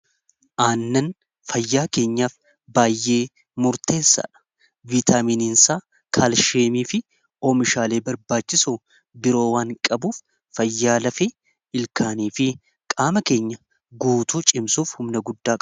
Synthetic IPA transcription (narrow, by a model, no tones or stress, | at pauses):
ʔaːnːɐn | fɐjːaːke̞ːɲːaːf | baːjːe̞ː | mʊɾt̪e̞ːsːɐ̰ːᶑɐ̥ | vit̪ʰaːmiːninsaː | kʰaːlʃeːmiːfɪ | oːmɪʃaːle̞ːbɐɾbaːt͡ʃːɪsu | bɪɾo̞ːwaːŋkʼɐbuːfː | ɐjːaːlɐfɪ | ɪlkaːniːfɪ | kʼaːmɐke̞ːɲːɐ | ɡuːt̪uːt͡ʃʼɪmsuːfhʊmnɐɡʊd̪ːaːkʼ